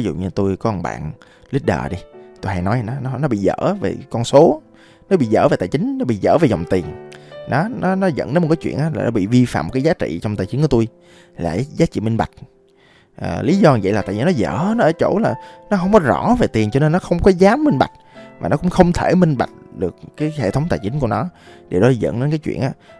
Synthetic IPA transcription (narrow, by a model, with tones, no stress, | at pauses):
vi˦zṵ˧˨ɲɨ˧t̪o˧jkɔ˨˦ə˧˩ŋɓa̰ː˧˨n | li˦˥k̚ɗə̰ː˨˩ɗi˧t̪o˧jha˧jnɔ˨˦jnɔ˨˦n˨nɔ˨˦ɓḭ˧˨zə̰ː˧˥vḛː˨˩kɔ˧nso˨˦ | nɔ˨˦ɓḭ˧˨zəː˧˩ve˨˩t̪aː˧˨˩t͡ɕï˨˦ŋ̟nɔ˨˦ɓḭ˧˨zə̰ː˧˥˩ve˨˩zɔ˨˩wŋ͡mt̪i˨˩ənnɔ˨˦nɔ˨˦n˨˦zə̰˧˨nʔəː˧˦mo˨˩t̚ka˨˦jt͡ɕwḭ˧˨əʔa˦la̰ː˨˩nɔ˨˦˥ɓḭ˧˨vi˧fa̰ː˧˨m̚ː˨˩kːaː˨˦jzaː˨˦t͡ɕḭ˧˨t͡ɕɔ˧wŋ͡mt̪aː˨˩t͡ɕi˨˦ŋ̟ku˧˩t̪j | la̰ː˧˨zaː˨˦t͡ɕḭ˧˨mi˧ŋ̟ɓa˨˩t̚ | ʔəː˨˩li˨˦zɔ˧və̰˧˨la˨˩t̪aː˧˨vi˨˩nɔ˨˦zə̰ː˧˩˨nɔ˨˦ʔːt͡ɕo˧˩laː˨˩nɔ˨˦ɦə˧wŋ͡mkɔ˨˦zɔ̰˧˩ve˨˩t̪i˨˩ənt͡ɕɔ˧ne˧nːɔ˨˦xə˧wŋ͡mkɔ˨˦zaː˨˦mːi˧ŋ̟ɓa̰˨˩jt̚vaː˨˩nɔ˨˦kʊ̰˧˥ŋ͡mxə˧wŋ͡mt̪ʰe˧˩mï˧ŋɓa̰˨˩t̚ɗɨ˨˩ək̚kaː˨˦jhḛ˧˨˩t̪ʰə˨˦wŋ͡mt̪aː˨˩jt͡ɕï˨˦ŋ̟ku˧˩ənɔ˨˦ɗe˨˩wɗɔ˨˦˧zə̰˧˨nɗe˨˦nkaː˨˦t͡ɕwḭ˧˨əʔaː˨˦